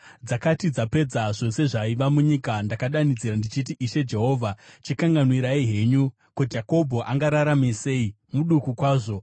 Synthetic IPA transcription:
d͡zakatid͡zape̞d͡zaʐo̞se̞ʐaiʋamuɲikandakaɗanid͡ziɾandit͡ʃitiʔiʃe̞d͡ʒe̞ɦo̞ːvʱat͡ʃikaŋɡanwiɾaiɦe̞ɲu | kud͡ʒako̞bʱo̞ʔaŋɡaɾaɾamese̞i | muɗukukwaːʐo̞

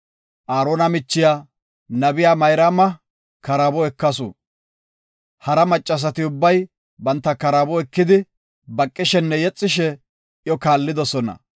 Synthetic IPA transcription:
ʔaːɾoːnɐmɪt͡ʃːɪjaː | nɐbɪjaːmɐjɾaːmɐ | kɐɾɐbɔɛkːɐsʊ̰ | hɐɾɐmɐt͡ʃʼːɐs̬ɐt̪ɪʊbːɐj | bɐnt̪ːɐkɐɾɐbɔɛkːɪd̪ɪ | bɐkʼːɪʃɛnːɛjɛt͡sʼːɪʃɛ | ʔjɔkaːlːɪd̪ɔsɔnɐ̰

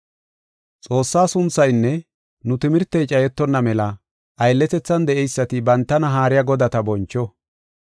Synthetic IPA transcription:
t͡sʼo̞ːsːaːsʊnt͡sːɐjnːɛ | nʊt̪ɪmɪɾt̪ːɛjt͡ʃʼɐjɛt̪ːɔnːɐmɛlɐ | ʔɐjlːɛt̪ɛt͡sːɐnd̪ɛʔɛjsːɐt̪ɪbɐnt̪ːɐnɐɦaːɾɪjaɡɔd̪ɐt̪ɐbɔnt͡ʃːɔ

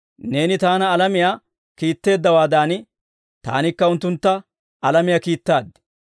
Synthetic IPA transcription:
ne̞ːnɪt̪aːnɐːlɐmɪjaː | kiːt̪ːe̞ːd̪ːɐwaːd̪aːn | t̪a̰ːnɪkːɐʊnt̪ːʊnt̪ːɐ | ɐlɐmɪjakiːt̪ːaːd̪

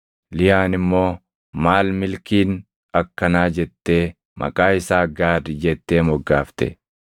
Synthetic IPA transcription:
lɪjaːnɪmːo̞ː | maːlmɪlkiːn | ɐkːɐnaːd͡ʒɛt̪ːe̞ː | mʔɐ̰kʼaːɪsaːɡaːd̪ɪd͡ʒɛt̪ːe̞ːmɔɡːaːft̪ɛ̰

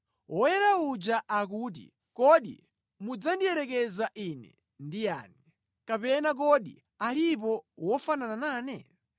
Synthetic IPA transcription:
wɔjɛɾaud͡ʒaʔak̬uːt̬ḭ | kɔɗḭ | mud͡zandiɛɾɛkɛzaʔinɛ̰ | ndija̰ːni | kapɛnak̬ɔɗḭ | alipɔwɔfanananaːnɛ

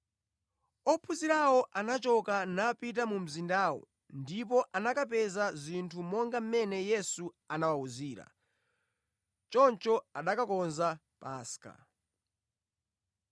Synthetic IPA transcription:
ɔpʰuziɾawɔʔanat͡ʃɔkanapit̬amum̩zindaːwɔ̰ | ndip̬ɔʔanakapɛzazintʰumɔŋɡam̩mɛnɛjɛsu | anawauziːɾa̰ | t͡ʃɔnt͡ʃɔaɗakakɔnza | paːska̰

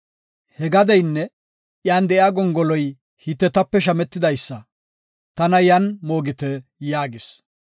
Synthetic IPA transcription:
hɛɡɐd̪ɛjnːɛ | ʔjaːnd̪ɛʔjaːɡɔŋɡɔlɔj | hɪt̪ːɛt̪ɐpːɛʃ̬ɐmɛt̪ːɪd̪ɐjsːɐ | t̪ɐnɐjɐnmo̞ːɡɪt̪ɛjaːɡɪs

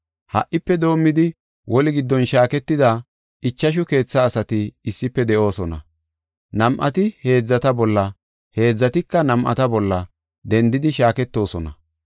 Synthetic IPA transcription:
hɐ̰ʔːɪpːɛd̪o̞ːmːɪd̪ɪ | wʔɔlɪɡɪd̪ːɔnʃaːkɛt̪ːɪd̪ɐ | ɪt͡ʃːɐʃ̬ʊke̞ːt͡sːɐːsɐt̪ɪːsːɪpːɛd̪ɛʔo̞ːsɔnɐ̰ | nɐmʔɐt̪ɪhe̞ːd͡zːɐt̪ɐbɔlːɐ | he̞ːd͡zːɐt̪ɪkːɐnɐmʔɐ̰t̪ɐbɔlːɐ | d̪ɛnd̪ɪd̪ɪʃaːkɛt̪ːo̞ːsɔnɐ̰

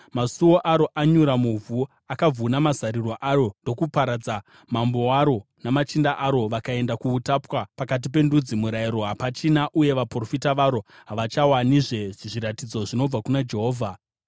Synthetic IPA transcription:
masuwo̞ʔaɾo̞ʔaɲuɾamuvʱu | akab͡vunamazaɾiroʔaro̞ndo̞kupaɾad͡za | mambo̞waɾo̞namat͡ʃindaʔaɾo̞ʋakae̞ndakuːtapwapakat̬ipe̞ndud͡zimuɾaiɾo̞ɦapat͡ʃinaʔuje̞ʋapro̞fitaʋaɾo̞ɦaʋat͡ʃawaniʐe̞ʐiɾatid͡zo̞ʐino̞b͡vakunad͡ʒe̞ɦo̞ːvʱa

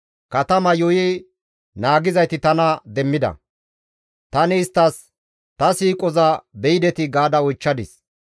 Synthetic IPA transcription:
kɐt̪ɐmɐjɔji | naːɡɪzɐjt̪ɪt̪ɐnɐd̪ɛmːɪd̪ɐ̰ | t̪ɐnɪːst̪ːɐs | t̪ɐsiːkʼɔzɐbɛjɪd̪ɛt̪ɪɡaːd̪ɐɔjt͡ʃːɐd̪ɪs

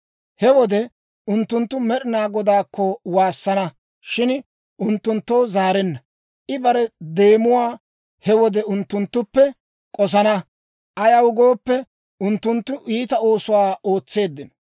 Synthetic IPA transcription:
hɛwɔd̪ɛ | ʊnt̪ːʊnt̪ːʊmɛɗɪnaːɡɔd̪aːkːɔwaːsːɐnɐ | ʃɪn | ʔʊnt̪ːʊnt̪ːoːzaːɾɛnːɐ | ʔɪbɐɾɛd̪e̞ːmʊwaː | hɛwɔd̪ɛʊnt̪ːʊnt̪ːʊpːɛ | kʼɔs̬ɐnɐ | ʔɐjɐʊɡo̞ːpːɛ | ʔʊnt̪ːʊnt̪ːʊʔiːt̪ɐo̞ːsʊwaːo̞ːt͡sːe̞ːd̪ːɪnɔ̥

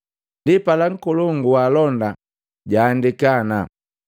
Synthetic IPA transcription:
ndipalaŋ̩kɔlɔŋɡuwaːlɔnda | ɟaːndikana

